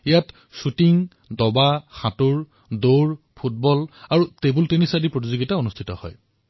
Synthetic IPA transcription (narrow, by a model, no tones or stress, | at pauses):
ijat | sutiŋ | dɔbaxatuɹ | doɹ | pʰut̚bɔlaɹutebultenisadipɹot̬izoɡitaunustʰitɔhɔ̰j